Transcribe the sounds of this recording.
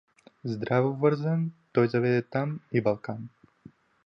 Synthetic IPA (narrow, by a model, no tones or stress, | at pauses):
zd̪ɾavovəɾzant̪ɔjzavɛd̪ɛt̪amibalˠkan